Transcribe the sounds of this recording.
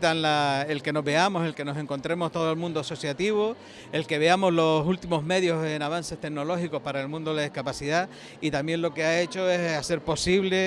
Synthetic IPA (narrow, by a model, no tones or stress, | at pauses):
t̪anlaelke̞no̞ɦbe̞amo̞se̞lke̞no̞sẽ̞ŋko̞nt̪ɾe̞mo̞ht̪o̞ð̞olmũnd̪oaso̞sjat̪iβo | elke̞βe̞amo̞zlo̞sult̪imo̞ɦme̞ðjo̞senaβ̞anse̞ht̪e̞ɡ̚no̞lo̞xiko̞hpaɾaelmũnd̪oelaðihkapasiða | it̪ambjẽ̞nlo̞keae̞t͡ʃo̞e̞sase̞ɾpo̞siβle̞